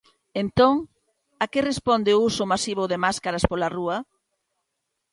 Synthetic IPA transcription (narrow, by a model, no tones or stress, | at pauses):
ent̪oŋ | akerespond̪ɪusʊmasiβʊðemaskaɾaspolaruɐ